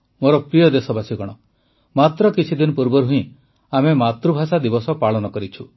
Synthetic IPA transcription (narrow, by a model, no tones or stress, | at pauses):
moɾɔpɾijɔd̪esɔbasiɡɔɽ̃ɔ | mat̪ɾɔkit͡ʃʰid̪inɔpuɾbɔɾɦuĩ | amemat̪ɾubʱasad̪ibɔsɔpaɭɔnɔkɔɾit͡ʃʰu